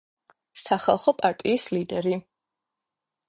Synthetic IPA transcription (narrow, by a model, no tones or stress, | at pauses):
saχalˠχɔpʼaɾt̪ʼiːslid̪ɛɾi